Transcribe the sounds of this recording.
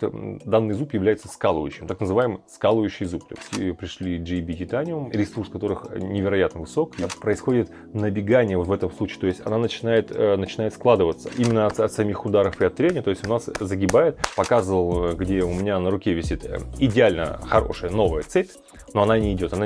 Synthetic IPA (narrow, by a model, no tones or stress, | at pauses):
d̪anːɨjzupjɪvlʲæjɪt̪səskalˠəvəjʉɕːɪmt̪aknəzɨvajɪmskalˠəjʉɕːɪjzupt̪ʲo̰stʲpɾʲɪʂlʲiʐɨbʲɪɡʲɪt̪anʲɪʊmɾʲɪsurskɐt̪o̞ɾɨxnʲɪvʲɪɾɐjat̪nəvɨso̞kpɾəɪsxo̞dʲɪt̪ | nəbʲɪɡanʲɪjəvot̪vɛt̪əmslˠut͡ɕi̥ːt̪oɪsʲtʲɐnanət͡ɕɪnajɪt̪nət͡ɕɪnajɪt̪sklˠad̪ɨvət̪sə̥ʔimʲɪnːəɐt̪ɐt̪sɐmʲixʊd̪aɾəfɨɐt̪ːɾʲenʲɪt̪o̞jɪsʲtʲʊnaszəɡʲɪbajɪt̪pɐkazɨvəlˠɡdʲeʊmʲɪnʲanəɾʊkʲevʲɪsʲit̪ɪdʲɪalʲnə̰xɐɾo̞̰ʂɨjəno̞vəjət̪sɛtʲ | no̞ɐnanʲɪːdʲo̞t̪ɐna